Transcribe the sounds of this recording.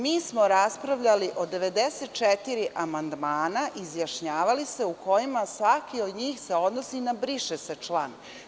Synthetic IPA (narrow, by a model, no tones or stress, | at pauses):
miːsmo̞ɾaspɾaʋʎaliʔo̞d̪e̞ʋe̞d̪eset̪̚t͡ʃet̪iɾiʔamand̪maːnaʔizjaʃɲaːʋalist̪e̞uko̞jimasʋakio̞d̪ɲiːxseo̞d̪no̞sinabɾiʃesat͡ʃlˠan